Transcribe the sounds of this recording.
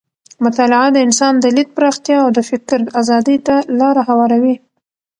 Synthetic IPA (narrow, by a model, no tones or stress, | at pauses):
mʊt̪ɑlɪʕad̪əɪnsɑnd̪əlit̪̚pɾɑxt̪jɑːwd̪əfɪkɾazɑd̪əjt̪alɑɾaɦawɑɾawi